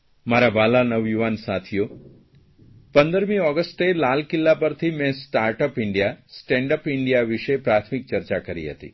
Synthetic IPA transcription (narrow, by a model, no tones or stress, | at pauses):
maɾabalanəʋjuʋansat̪ʰijo | pənd̪əɾmiɔɡəsʈelalkɪlːapəɾt̪ʰimɛ̃sʈaɾʈəpɪɳɖijasʈɛ̃ɳɖəpɪɳɖijaʋiʃepɾat̪ʰmik̚t͡ʃəɾt͡ʃakəɾḭɦə̰t̪ḭ